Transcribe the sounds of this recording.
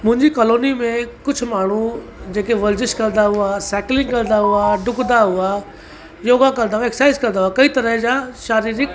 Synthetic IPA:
mʊ̃ɦɪ̃ɲd͡ʑikɔloːnimẽkʊd͡ʑʱʊ̆maːɳ̤ud͡ʑeːkeʋɐɾd͡ʑɪʃkɐ̃ɾd̪aɦʊasɛːklɪ̃ŋɡkɐl̃d̪aɦuaɖʊɡd̪aɦua | joːɡãk̬ɐlnd̪aɦuaeksaːɪzkɐ̃nd̪aɦuakɐit̪ɐɾəɦd͡ʑãʃaːɾiːɾik

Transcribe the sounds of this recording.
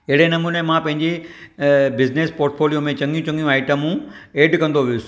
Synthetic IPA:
ɪɦɪɽenɐmuːnemãpɐ̃ɦɪ̃ɲd͡ʑe | bɪznespoːɾʈfʰoːlijomẽt͡ɕɐ̃ŋɡijũt͡ɕɐ̃ŋɡijũaːɪʈəmũeːɖkɐ̃nd̪oʋ̤iʊs

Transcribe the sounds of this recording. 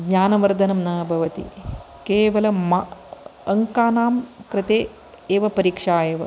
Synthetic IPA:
ɡɲaːnɐʋɐɾd̪ʱɐnɐmnɐbʱɐʋɐt̪ḭ | keːʋɐlɐmaɐŋkaːnaːmkɾɪt̪eː | eːʋɐpɐɾiːkʂaːjeːʋɐ̰

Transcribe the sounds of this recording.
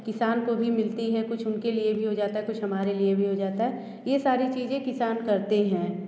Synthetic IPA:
kɪsaːnkobʱimɪlt̪iɦɛkʊt͡ʃʰʊnkeliebʱiɦod͡ʒaːt̪aɦɛkʊt͡ʃʰɦɐmaːɾeliebʱiɦod͡ʒaːt̪aɦɛ | jesaːɾit͡ʃiːzẽkɪsaːnkɐɾt̪eɦɛ̃ː

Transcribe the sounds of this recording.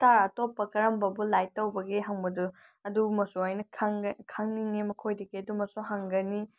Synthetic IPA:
taɾatopːɐkɐɾɐmbɐbulajtːɐwbɐɡiɦɐŋbɐdu | ɐdumɐsoajnɐkʰŋkʰaŋniŋnimɐkʰojdɐɡiɐdumɐsoɦaŋɡɐni

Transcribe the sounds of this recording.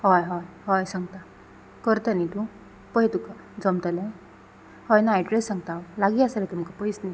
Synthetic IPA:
ɦɔjɦɔjɦɔjsaŋɡt̪a | kəɾt̪anit̪u | pəɦit̪uka | d͡zɔmt̪alaj | hɔjnaːɖɾesːãŋɡt̪awlaɡiasaɾet̪umkapəjsna

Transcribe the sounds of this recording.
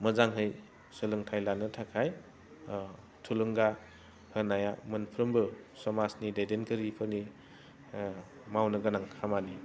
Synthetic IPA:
mɯzaŋɦɯj | sɯlɯŋtʰajlanɯtʰakʰaj | tʰulɯŋɡa | hɯnajamɯnpʰɾɯmbɯsɔmasnidajdenkʰɯɾipʰɯni | mawnɯɡɯnaŋʰamani

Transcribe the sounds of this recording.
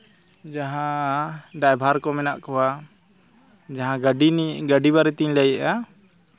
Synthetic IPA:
d͡ʒaɦãɖajbʱaɾkɔmɛnaʔkɔwa | d͡ʒaɦãɡɖiɡaɖibaɾɛt̪iɲlajɛʔa

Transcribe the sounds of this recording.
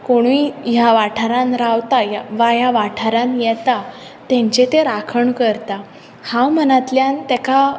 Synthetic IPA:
koɽ̃uijaʋaʈʰaɾãnɾawt̪ajʋajaʋaʈʰaɾãnjɛt̪a | t̪ɛ̃ɲt͡ɕet̪eɾakʰəɳkəɾt̪a | hãwm̤ənat̪ljãnt̪ɛka

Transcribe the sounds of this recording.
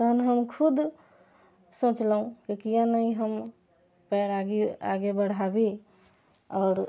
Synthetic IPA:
t̪əɦənɦəmkʰud̪ | sõt͡ʃlɦũkikijãnəiɦəm | pɛɾaɡia̰ɡebəɽ̤abi | ɔːɾ

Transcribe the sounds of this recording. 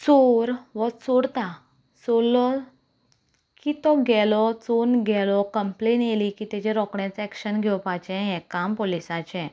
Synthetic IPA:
t͡soɾʋət͡soɽt̪a | solːɔ | kit̪ɔɡɛlɔt͡sonɡʱɛlɔkəmplenjelikit̪ɛd͡ʑɛɾɔkɽɛ̃t͡sɛkɕənɡʱɛwpat͡ɕɛ̃ɦɛ̃kampolisat͡ɕɛ̃

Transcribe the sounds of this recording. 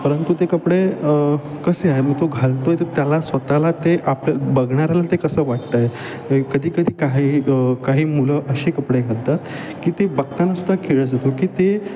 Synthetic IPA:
pəɾənt̪ut̪ekəpɽe | kəseaɦeməɡ̚t̪oɡʱalt̪ojt̪əɾt̪jalasʋət̪alat̪eʔapljabəɡɳ̃aɾjalat̪ekəsəːʋaʈ̚t̪əje | kəd̪ʱiːkəd̪ʱiːkaɦiːəkaɦiːmuləʔəɕekəpɽeɡʱəlt̪at̪ | kiːt̪ebəkt̪anːasud̪ʱːakeɭəd͡zʱat̪okiːt̪e

